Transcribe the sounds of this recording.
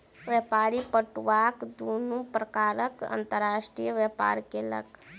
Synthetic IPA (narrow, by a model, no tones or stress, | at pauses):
ʋjəpaːɾipəʈʋakd̪onupɾəkaːɾəkə̰nt̪əɾaːsʈɾijəʋjəpa̰ːɾkelə̰k